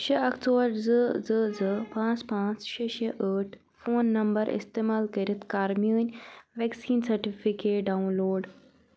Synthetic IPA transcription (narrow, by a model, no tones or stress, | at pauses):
ʃeʔɐkt͡soːɾd͡zəd͡zəd͡zəpãːt͡spãːt͡sʃeʃeʔəʈʰ | foːnːɐmbəɾʔḭst̪eːmaːlkɐɾit̪kaːɾmjuːnʲʋɛksiːnsɐɾʈifikeːʈɖaunloːɖ